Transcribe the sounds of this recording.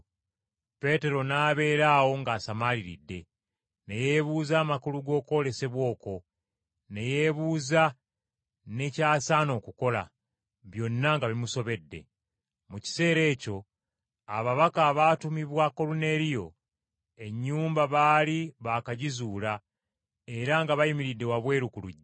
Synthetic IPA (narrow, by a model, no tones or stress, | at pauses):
pe̞te̞ɾo̞naːβe̞ːɾaːwo̞ŋɡaːsamaliɾḭdːe̞ | ne̞je̞βuːzaːmakuluɡo̞ːko̞ːle̞se̞βwo̞ːko̞ | ne̞je̞βuːza | ne̞caːsaːno̞ːkuko̞la̰ | βjo̞nːaŋɡaβimuso̞βe̞dːe̞̰ | muci̥se̞ːɾe̞ːco̞ | a̰βaβakaːβatumiβwako̞lune̞ɾijo̞̰ | e̞ɲːuːmbaβaːliβakaɟizuːla | e̞ɾaŋɡaβajimiɾidːe̞waβwe̞ːɾukuluɟː